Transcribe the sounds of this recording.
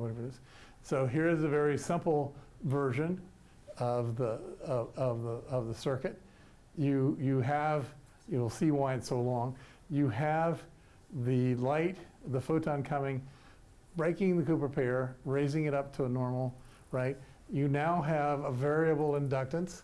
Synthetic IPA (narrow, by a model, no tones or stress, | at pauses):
wʌɾɛvə˞ɨɾz̥ | soʊɦiɹɨzɨvɛɹisɪ̃mpl̩ˠvɜ˞ʒɨ̃n | ʌvðəʌʌvðəʌvðəsɜ˞kɨt̚ | jɨjɨəv | jɨlˠsiwaɪɨtsoʊlɔ̃ŋ | jɨəv | ðɨlaɪtðəfoʊɾʰə̃nkʰʌmɪ̃ŋ | b̥ɹeɪkɪ̃ŋðɨkʰʉpə˞pʰɛɪɹɹeɪzɪ̃ŋɨɾʌp̚tʰəːnɔɹml̩ˠ | ɹaɪt̚ | jɨnaʊɨvəvɛɹiɨbl̩ˠɪ̃ndʌk̚tɨ̃ns